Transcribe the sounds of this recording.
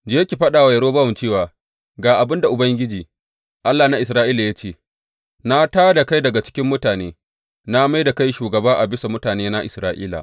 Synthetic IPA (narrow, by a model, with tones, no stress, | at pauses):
d͡ʒe˦kʲi˨ɸɐ˦ɗaː˨wa˨jɐ˦ɽoː˦ba˦wɔ˨mt͡ʃeː˦˨waː˨ | ɡaː˨ʔa˨bɪ˦nda˨ʔʊ˨bɐ˦ŋɡʲɪ˦d͡ʒiː˨ | ʔa˦lːaː˨na˦ʔɪ˨s̬ɾaː˦ʔiː˦la˨ja˦t͡ʃeː˦˨ | na˦taː˦da˨ka˦jdɐ˨ɡa˨t͡ʃɪ̥˦kʲɪ˦mːʊ˦taː˨neː˦ | na˦ma˦jda˨ka˦jʃuː˨ɡɐ˨baː˦ʔa˨bɪ˦sa˨mʊ˦taː˨neː˦na˦ʔɪ˨sɾaː˦ʔiː˦la̰˨ʔ